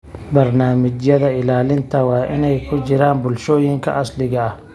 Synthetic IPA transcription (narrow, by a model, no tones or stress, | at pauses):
bɐrnaːmɪt͡ʃjɐðɐɪlaːlɪnt̪ʰɐwɑːʔɪnɛjkʰʊt͡ʃɪɾaːnbʊlʃɔːjɪŋkʰɐ̰ʔɐslɪɣɐɐh